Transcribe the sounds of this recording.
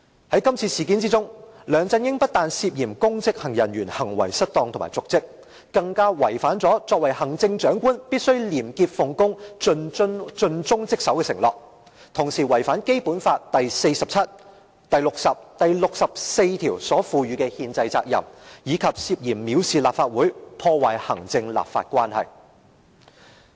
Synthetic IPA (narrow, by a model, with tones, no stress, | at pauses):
hɐ˨˥jkɐ˥mt͡sʰiː˧siː˨˩kiː˨˥nt͡siː˥t͡sʊ˥ŋlœː˨˧ŋt͡sɐ˧njɪ˥ŋpɐ˥t̚t̪aː˧nsiː˧p̚jiː˨˩mkʊ˥ŋt͡sɪ˥k̚hɐ˨˩ŋjɐ˨˩nɥyː˨˩nhɐ˨˩ŋwɐ̰˨˩jsɐ˥t̚t̪ɔː˧ŋt̪ʰʊ˨˩ma̰ː˨˩t͡sʊ˨k̚t͡sɪ˥k̚ | kɐ˧ŋkaː˥wɐ˨˩jfaː˨˥nt͡sɔː˨˥t͡sɔː˧k̚wɐ˨˩jhɐ˨˩ŋt͡sɪ˧ŋt͡ʃœː˨˥ŋkuː˥npiː˥t̚sɵ˥ɥliː˨˩mkiː˧p̚fʊ˨˩ŋkʊ˥ŋɵ˧n˥t͡ʃɵ˧nt͡sʊ˥ŋt͡sɪ˥k̚sɐ˨˥wkɛː˧sɪ˨˩ŋlɔ̰ː˨k̚ | t̪ʰʊ˨˩ŋsiː˨˩wɐ˨˩jfaː˨˥nke˥jpuː˨˥nfaː˧t̚t̪ɐ˨jse˧jsɐ˨p̚t͡sʰɐ˥t̚ | t̪ɐ˨jlʊ˨k̚sɐ˨p̚t̪ɐ˨jlʊ˨k̚sɐ˨p̚se˧jt̪ʰiː˨˩wsɔː˨˥fuː˧ɥyː˨˧kɛ˧hiː˧nt͡sɐ˧jt͡saː˧k̚jɐ̰˨˩mjiː˨˧kʰɐ˨p̚siː˧p̚jiː˨˩mːiː˨˧wsiː˨la̰ː˨p̚faː˧t̚wuː˨˥jpʰɔː˧waː˨˩jhɐ̰˨˩ŋt͡sɪ˧ŋla̰ː˨pfa̰ː˧t̚kʷwaː˥nhɐ̰˨j